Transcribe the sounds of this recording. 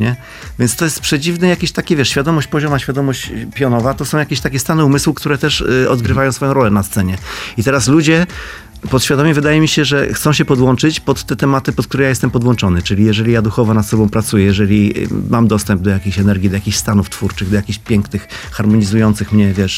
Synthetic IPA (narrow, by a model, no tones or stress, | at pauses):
ɲɛ | vʲjɛntst̪ɔjɛst̪pʂɛd͡ʑivnɛjakʲeɕt̪akʲevʲjɛʂɕfʲjad̪ɔmɔɕt͡ɕpɔʑɔmaɕfʲjad̪ɔmɔɕt͡ɕpʲjɔnɔvat̪ɔsɔ̃w̃jakʲeɕt̪akʲɛst̪anɛumɘswukt̪uɾɛt̪ɛʂɔd̪ɡɾɘvajɔ̃wsfɔjɔ̃ɾɔlɛnast̪sɛɲɛit̪ɛɾaslud͡ʑɛ | pɔt̪ɕfʲjad̪ɔmʲɛvɘd̪ajɛmʲiɕɛʐɛxt̪sɔ̃w̃ɕ̬ɛpɔd̪wɔnt͡ʂɘt͡ɕpɔt̪ːɛt̪ɛmat̪ɘpɔt̪̚kt̪uɾɛjajɛst̪ɛmpɔd̪wɔnt͡ʂɔnɘt͡ʂɘlʲijɛʐɛlʲijad̪uxɔvɔnat̪sɔbɔ̃w̃pɾat̪sujɛjɛʐɛlʲimamd̪ɔst̪ɛmb̚d̪ɔjakʲeɕɛnɛɾɡʲid̪ɔjakʲiɕst̪anuft̪fuɾt͡ʂɘɣd̪ɔjakʲiɕpʲjɛŋknɘxxaɾmɔɲizujɔnt̪sɘxmɲɛvʲjɛʂ